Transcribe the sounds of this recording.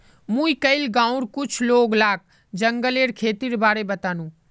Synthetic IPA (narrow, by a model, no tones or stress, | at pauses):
mũːikɐɪlɡãːʊ̃ɾkʊt͡ʃʰloːɡlaːk̚ | d͡ʒɐ̃ŋɡəleːɾkʰeːt̪iɾbaːɾebɐt̪aːnũː